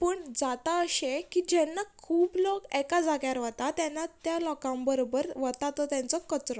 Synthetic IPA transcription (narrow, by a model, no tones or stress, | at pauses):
pəɳd͡zat̪aəɕekid͡ʑɛnːakʰuːblɔkɛkad͡zaɡjaɾʋət̪at̪jɛnːat̪jalɔkãmbəɾobəɾʋət̪at̪ɔt̪jãnt͡sɔkət͡sɾɔ